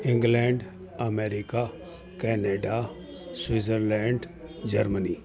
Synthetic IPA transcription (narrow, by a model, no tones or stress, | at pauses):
ɪ̃ŋɡlɛɳɖ | əmeːɾɪka | kɛːneɖa | swɪzəɾlɛ̃ːɳɖ | d͡ʒəɾməni